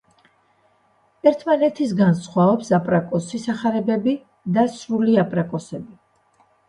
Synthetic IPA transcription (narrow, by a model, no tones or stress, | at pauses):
ɛɾt̪ʰmanɛt̪ʰis̬ɡansχwaɔpsapʼɾakʼɔsisaχaɾɛbɛbi | d̪asɾuliapʼɾakʼɔsɛbi